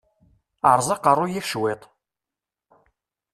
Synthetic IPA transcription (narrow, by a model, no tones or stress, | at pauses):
əʕɾˤzˤɑqərˤːʊjifʃwɪt̪ˤ